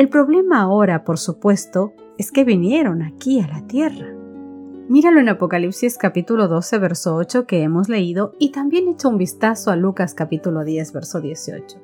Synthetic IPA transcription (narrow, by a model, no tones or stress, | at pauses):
e̞lpɾo̞βle̞maːo̞ɾapo̞ɾsupwe̞st̪o̞ | e̞ske̞βinje̞ɾo̞nakialat̪je̞ra | miɾalo̞enapo̞kalipsiskapit̪ulo̞ðo̞se̞βe̞ɾsoot͡ʃo̞ke̞emo̞zle̞iðo̞it̪ambje̞ne̞t͡ʃoumbist̪asoalukaskapit̪ulo̞ðje̞zβe̞ɾsoðje̞sio̰t͡ʃo